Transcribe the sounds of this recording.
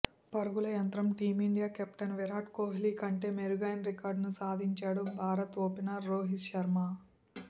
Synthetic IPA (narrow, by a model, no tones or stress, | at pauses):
pɐɾuɡulɐjɐnt̪ɾɐmʈiːmiɳɖijaːkɛpʈɐnʋɛɾaːʈkoːɦiliːkɐɳʈeːmeɾuɡaːjɐnɾikaːɾɖnusaːd̪ʱiɲt͡ʃaːɽubʱaːɾɐt̪oːpinaːɾːoːɦisʃɐɾmaː